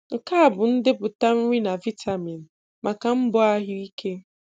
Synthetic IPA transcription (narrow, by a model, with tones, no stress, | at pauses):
ŋ̩˨ka˦a˨bʊ˨n̩˦dɪ˦pʊ˨ta˦m̩˦ŋʷi˦na˨vi˦tʰa˨mi˨n̩˨ | mʔa˨ka˨m̩˦bɔ˦a˦ɦʊ˦i˦kʰe˦